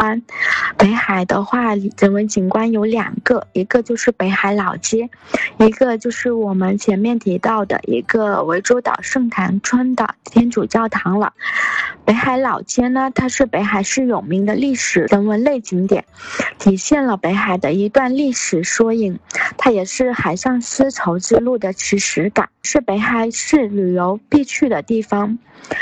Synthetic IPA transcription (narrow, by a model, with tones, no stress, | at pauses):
a˥npe˧˥ɪxa˨˩ɪd̪ə̰˦xwa˥˩˨t͡sə˧˥nwə˧˥nt͡ɕi˧˩ŋkwa˥njo˧˥ʊljɑ̰˨˩ŋɡə˧i˧˥ɡə˧t͡ɕjo˥˧ʊʂɻ̩˥˩pe˧˥ɪxa˧˥ɪlɑ˨˩ʊt͡ɕjɛ˥i˧˥ɡə˧t͡ɕjo˥˧ʊʂɻ̩˥˩wɔ˨˩mə˦nt͡ɕʰjɛ˧˥nmjɛ˥˩nt̪ʰi˧˥t̪ɑ˥˩ʊd̪ə̰˨˩ʔḭ˧˥ɡə˧we˧˥ɪʈ͡ʂo˥ʊt̪ɑ̰˨˩ʊʂɤ˥˩ŋt̪ʰa˧˥nʈ͡ʂʰwə˥nd̪ə̰˨˩t̪ʰjɛ˥nʈ͡ʂu˨˩t͡ɕjɑ˥˩ʊt̪ʰɑ˧˥ŋlə̰˧pe˧˥ɪxa˧˥ɪlɑ˨˩ʊt͡ɕjɛ˥nə˨t̪ʰa˥ʂɻ̩˥˩pe˧˥ɪxa˧˩ɪʂɻ̩˥˩jo˨˩ʊmi˧˥ŋd̪ə˧li˥˩ʂɻ̩˨˩ʂə˧˥nwə˧˥nle˥˩ɪt͡ɕi˧˥ŋt̪jɛ̰˨˩˦nt̪ʰi˨˩ɕjɛ˥˩nlə˩pe˧˥ɪxa˨˩ɪd̪ə˦i˧˥t̪wa˥˧nli˥˩ʂɻ̩˨˩ʂwɔ˥i˧˥ŋt̪ʰa˥jɛ˨˩ʂɻ̩˥˩xa˨˩ɪʂɑ˥˩ŋsɹ̩˥ʈ͡ʂʰo˧˥ʊt͡s̩˥˧lu˥˩d̪ə˩ʈ͡ʂʰɻ̩˧˥ʂɻ̩˧˥ka̰˨˩˦ʂɻ̩˥˩pe˧˥ɪxa˧˩ɪʂɻ̩˥˩ly˨˩jo˧˥ʊpi˥˧t͡ɕʰy˥˩d̪ə˩t̪i˥˩fɑ˧˥ŋ